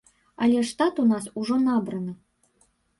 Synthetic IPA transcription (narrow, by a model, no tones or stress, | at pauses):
alʲɛʂt̪at̪unasuʐɔnabɾɐnɨ